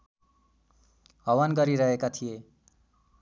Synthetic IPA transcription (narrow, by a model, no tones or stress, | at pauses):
ɦʌwanɡʌɾiɾʌɦekat̪ʰije